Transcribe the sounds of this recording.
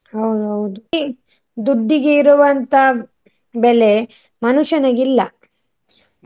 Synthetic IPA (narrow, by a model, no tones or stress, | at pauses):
ɦɐwd̪uɦɐwd̪u | d̪uɖːiɡeiɾuʋɐnt̪ɐ | bele | mɐnuʃɐnɐɡilːɐ